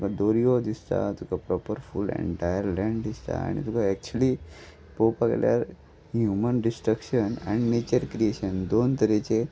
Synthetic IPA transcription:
t̪ukad̪oɾijod̪ist̪a̰t̪ukʰapɾɔpəɾful̰ḛ̃ɳʈajəɾlɛ̃ɳɖd̪ist̪a̰a̰ɽ̃ḭt̪ukʰaɛk̚t͡ɕuəli | popaklja̰ɾ | hjumənɖisʈɾəkɕənãñinet͡ɕəɾkɾieɕənd̪ont̪əɾet͡ɕe

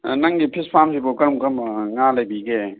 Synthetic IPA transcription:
nɐŋɡipʰispʰamsipokɐɾmkɐɾmŋalɐbiɡe

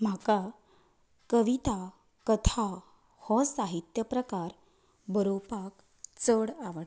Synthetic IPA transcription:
m̤aka | kəʋit̪a | kət̪ʰa | hɔ̃saɦit̪jəpɾəkaɾ | bʱəɾopak | t͡səɽaʋəɽ

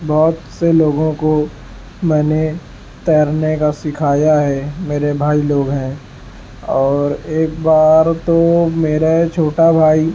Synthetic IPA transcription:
bɔːt̪seloːɡõko | mɛ̃ːne | t̪ɛːɾnekasɪkʰaːjaɦɛmeːɾebʱaːiloːɡɦɛ̃ | ɔːɾeːk̚baːɾt̪omeːɾat͡ʃʰoːʈabʱaːi

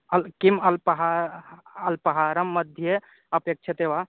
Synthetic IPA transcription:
ɐlkimɐlpəɦa | ɐlpəɦaɾəmːəd̪ʱje | ɐpek̚t͡ʃʰət̪eʋa

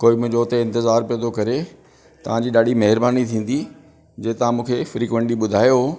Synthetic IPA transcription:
koːimʊ̃d͡ʑoːt̪eɪ̃nt̪ɪzaːɾpiə̃nd̪okɐɾe | t̪ɐʋ̤ãd͡ʑiːɗaːɖimɐɦɪɾbaːnit̪ʰĩːn̆d̪i | d͡ʑeːt̪ɐãmũːkʰefɾiːkʋə̃ɳʈiɓʊd̪ʱaːjoɦoː

